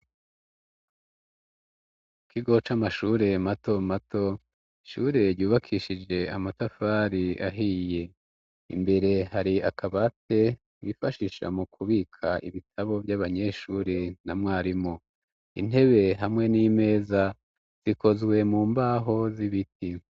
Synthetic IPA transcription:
kʰiɡo̞t͡ʃamaʃuːɾe̞mato̞matʰo̞ | iʃuːɾe̞ɾɟuːβakʰiːʃid͡ʒe̞amatafaːɾia̰ɦije̞ | ḭmbe̞ɾe̞haɾiakaβate̞ | wifaʃiʃa̰mukʰuβiːkʰaʔḭβitʰaβo̞vjaβaɲe̞ʃuːɾenamŋaːɾimo | ḭn̥e̞βe̞ɦamŋe̞nime̞ːza | z̥iko̞zɡwe̞muːmbaːɦo̞ziβiti

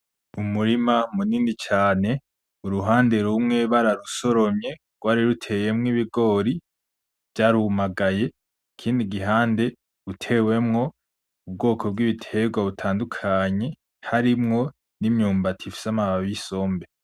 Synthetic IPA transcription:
umuɾimamuniːndit͡ʃaːne̞ | uɾuɦaːnde̞ɾumŋe̞βaɾaɾuso̞ɾo̞mɲe̞ | ɡ̥waːɾiɾutʰe̞je̞mŋiβiɡo̞ːɾi | v̥ɟaːɾumaɡaje̞ | kʰiːndiɡiɦaːnde̞ | utʰe̞we̞mŋo̞ | ub̚ɡo̞ːkʰo̞b̚ɡiβitʰe̞ɡwaβutʰaːndukʰaɲe̞ | haɾimŋo̞ | nimɲuːmbatʰifi̥samaβaβiso̞ːmbe̞

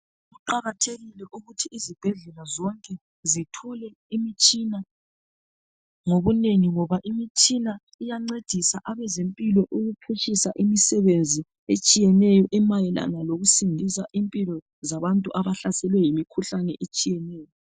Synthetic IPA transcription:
ɣuǃaɣatʰeɣilɛʔuɣutʰiːzib̥ʱɛɮɛlazɔŋkʼɛ | zitʰulɛ | imit͡ʃʼina | ŋoβuneŋiŋɔβaʔimit͡ʃʼina | ijaŋ͡ǀed̥ʱisaʔaβɛzempʼilɔʔuɣupʰuʃisaʔimisɛβend͡zʱi | et͡ʃʼijɛnɛjɔʔɛmajɛla̰naloɣusindʱisaʔimpʼilɔ | zaβantʼuʔaβaɬasɛlwɛjimikʰuɬanɛʔet͡ʃʼijɛnɛːjɔ

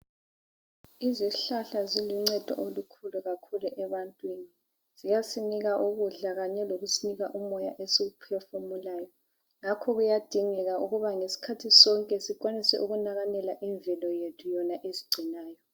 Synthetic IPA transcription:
iziɬaɬaziluŋ͡ǀɛd̥ʱɔ̰ʔolukʰuluɣakʰuluʔɛβantʼwini | z̥ijasiniɣaʔuɣuɮaɣaɲɛloɣusiniɣaʔumɔjaʔesiɣupʰɛfɔmulaːjɔ | ŋakʰɔɣujad̥ʱiŋɛɣaʔuɣuβaŋesi̥kʰatʰisɔŋkʼɛsik̬ʼwanisɛ̰ʔuɣunaɣanɛlaʔiɱvɛlɔjetʰujɔnaʔeziɡ͡ǀʱinaːjɔ

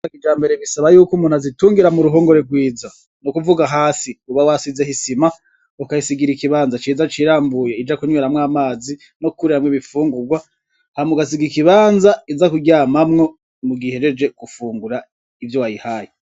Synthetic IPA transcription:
akid͡ʒaːmbe̞ɾeβisaβajuːkumuːnhazituːŋɡiɾamuɾuɦoːŋɡoɾeɡwiːza | nokuvuɡaɦaːsiuβawasize̞hisima | ukaisiɡiɾikiβaːnzat͡ʃiːzat͡ʃiɾaːmbujeid͡ʒakuɲweɾamŋaːmaːzi | nokuɾihamweβifuːŋɡuɡwa | hamuɡas̬iɡiikiβaːnzaizakuɡjaːmamŋo̞ | muɡihe̞d͡ʒe̞d͡ʒe̞kufuːŋɡuɾa | ivjowajihaːji

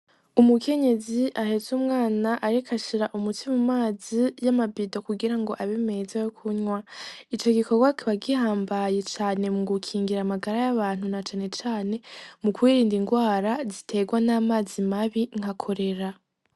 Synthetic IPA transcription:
umukʰe̞ɲe̞ziʔahe̞zuːmŋaːnaʔaɾikʰaʃiɾaʔumutʰimumaːzijamabido̞kuɡiɾaŋɡo̞ʔaβeme̞zajokʰuɲwait͡ʃo̞ɡiko̞ɡwakiβaɡihaːmbaje̞t͡ʃaːne̞muɡukʰiːŋɡiɾamaɡaɾajaβaːn̥hunat͡ʃaːne̞t͡ʃaːne̞mukwiːɾiːndiŋɡwaːɾazitʰe̞ɡwanaːmaːzimaβiŋhakʰo̞ɾe̞ɾa

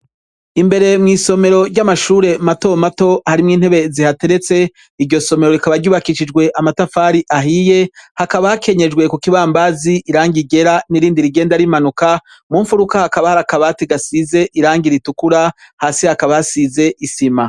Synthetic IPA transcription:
imbe̞ɾe̞mŋiːso̞me̞ɾo̞ɾɟamaʃuːɾe̞mato̞mato̞haɾimŋiːn̥he̞βe̞zihate̞ɾe̞t͡se̞ | iɾɟo̞so̞me̞ɾoɾikaβaɾɟuːβakiʃid͡ʒɡwe̞ʔamatafaːɾiʔaɦije̞hakaβahakʰe̞ɲe̞d͡ʒɡwe̞kukiβaːmbaziʔiɾaːŋɡiɡe̞ɾaniɾiːndiɾiɡe̞ːndaɾimanuka | muːɱfuɾukahakaβahaɾakaβatiɡasize̞ʔiɾaːŋɡiɾitukuɾa | haːsihakaβajasize̞ʔisima

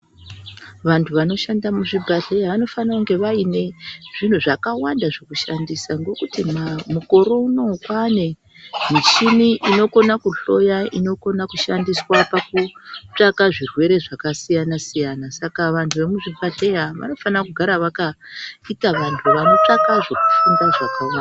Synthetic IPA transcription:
ʋantʰuʋano̞ʃandamuʐibʱaɮe̞jaʋano̞fanauŋɡe̞ʋaine̞ʐ̥in̤uʐakawandaʐekuʃandisaŋɡo̞kutimmuko̞ɾo̞uno̞kwane̞ | mit͡ʃiniʔino̞ko̞nakuɬo̞jaino̞ko̞nakuʃandiswapakut͡ʂakaʐirwe̞ɾe̞ʐakasijanasijanasakaʋantʰuʋe̞muʐibʱaɮejaʋa̰no̞fanakuɡʱaɾaʋakaitaʋantʰuʋano̞t͡ʂakaʐo̞ku̥fundaʐakawaa

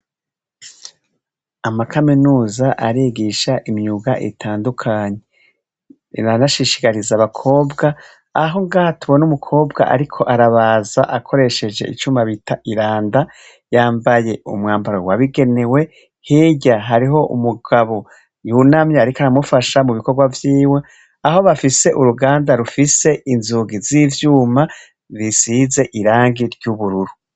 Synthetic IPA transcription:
amakʰaminuːzaʔaɾiɡiʃaʔimɲuɡaʔḭtʰaːndukʰaːɲe | anaʃiʃi̥kaɾizaβakʰo̞ːbɡa | aɦo̞ŋɡaːhatuβo̞numukʰo̞ːbɡa̰ʔa̰ɾikʰo̞ʔaɾaβaːzaʔakʰo̞ɾe̞ʃe̞d͡ʒe̞̰ḭt͡ʃuːmaβitʰaʔiɾaːnda | jaːmbaje̞ṵmŋaːmbaɾo̰waβiɡe̞ne̞we̞ | hiːɟaɦaɾiɦo̞ʔṵmuɡaβo̞ | junamɲaaɾikaɾamufaʃamuβiko̞ɾɡwavjiːwe̞ | aɦo̞βafise̞ʔuɾuɡaːndaɾufise̞ʔinzuːɡizivjuːma | βisize̞ʔiɾaːŋɡiɾɟuβuɾuɾu

